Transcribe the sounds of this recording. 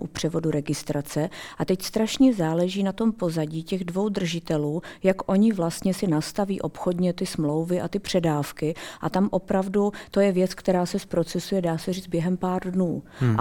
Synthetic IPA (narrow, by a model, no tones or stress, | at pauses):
ʔṵpr̝̥ɛvo̞duɾɛɡɪst̪ɾat͡sɛʔat̪ɛcst̪ɾaʃɲɛzaːlɛʒiːnat̪o̞mpo̞zaɟiːcɛɣdvo̞wd̪r̩ʒɪt̪ɛluːjakʔo̞ɲɪvlast̪ɲɛsɪnast̪aviːʔo̞pxo̞dɲɛt̪ɪsmlo̞wvɪʔa̰t̪ɪpr̥ɛdaːfkɪʔat̪amʔo̞pɾavdut̪o̞jɛvjɛt͡skt̪ɛɾaːsɛspɾo̞t͡sɛsujɛdaːsɛriːd͡zbjɛɦɛmpaːrdnuː